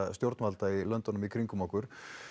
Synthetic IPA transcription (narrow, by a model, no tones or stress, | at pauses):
st̪jowɾt̪nvalt̪ailœnt̪ɔnʏmikʰɾiŋkʏmahkʏɾ̥